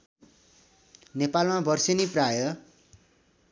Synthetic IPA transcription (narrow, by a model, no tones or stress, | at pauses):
nepalmabʌrseniprajʌ